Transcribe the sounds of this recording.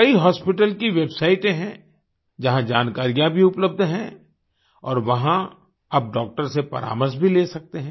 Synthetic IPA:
kɐiɦɔːspɪʈəlkiʋeːbsaːɪʈẽɦɛ̃ | d͡ʒɐɦãd͡ʒaːnkaːɾijãbʱiʊpləb̚d̪ɦɛ̃ | ɔːɾʋɐɦã | ɐp̚ɖɔːk̚ʈəɾsepɐ̰ɾa̰ːməɾsbʱileːsɐk̚t̪eɦɛ̃ː

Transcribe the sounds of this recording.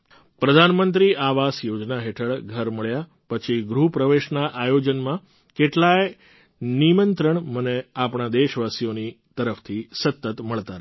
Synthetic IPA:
pɾəd̪ʱanmənt̪ɾiʔaʋasjod͡ʒnaɦeʈʰəɭɡʱəɾməɭja | pət͡ʃʰiɡɾupɾəʋeʃnaʔajod͡ʒənmã | keʈlaj | nimənt̪ɾəɳməneapɳ̃ad̪eʃʋasijonit̪əɾəft̪ʰisət̪ːət̪məɭt̪aɾ

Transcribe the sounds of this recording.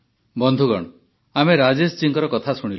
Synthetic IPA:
bɔnd̪ʱuɡɔɽɔ | ameɾad͡ʒest͡ʃiŋkɔɾɔkɔt̪ʰasuɽ̃i

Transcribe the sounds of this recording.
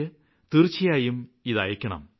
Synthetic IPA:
ɨ | t̪irt͡ɕːijaːjumiðɐ̰jɐkʲːɐɳɐ̰m

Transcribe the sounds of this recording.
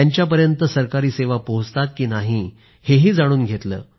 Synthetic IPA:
aɲt͡ɕjap̬əɾjənt̪əsəɾkaɾiːseʋapoɦt͡st̪at̪̚kiːnaɦiː | heɦiːd͡zaɽ̃uːnɡʱet̪lə̰ː

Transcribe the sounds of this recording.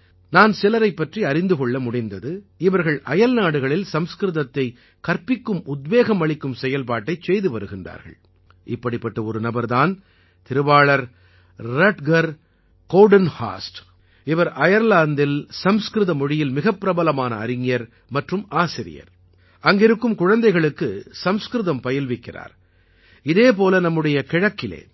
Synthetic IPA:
naːnsɪlɐɾɐɪpːɐʈriɐɾɪnd̪ɯkɔɭːɐmʊɽɪnd̪ɐðɯɪʋɐɾɣɐɭʔɐjɐlnaːɽɯɣɐɭɪlsɐmskɾɯðɐt̪ːɐɪ | kɐɾpɪkːɯmʊd̪ʋeːɣɐmɐɭɪkːɯmsɛjɐlpaːʈːɐɪt͡ʃɛjðɯʋɐɾɯɣɪndra̰ːɾɣɐ̰ɭ | ʔɪpːɐɽɪpːɐʈːɐɔɾɯnɐbɐɾðaːn | t̪ɪɾɯbaːɭɐɾː | ɐʈɡɐɾ | koːɖɐnha̰ːsʈ | ɪʋɐɾʔɐjɐɾlaːnd̪ɪlsɐmskɾɯðɐmɔɻɪjɪlmɪɣɐpːɪɾɐbɐlɐmaːnɐ̰ːɾɪŋɪjɐɾ | mɐʈrɯmaːsɪɾɪ̰jɐ̰ɾ | ʔɐŋɡɪɾɯkːɯmkʊɻɐnd̪ɐɪɣɐɭɯkːɯsɐmskɾɯðɐmpɐjɐlʋɪkːɪra̰ːɾ | ɪðeːp̬oːlɐnɐmːɯɽɐjɐkɪɻɐkːɪlḛː

